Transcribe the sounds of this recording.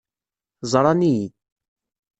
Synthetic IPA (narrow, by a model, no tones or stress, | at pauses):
zˤɾˤɑniji